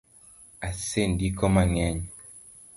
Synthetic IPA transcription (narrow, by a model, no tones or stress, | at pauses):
asendikɔmaŋɛɲɔ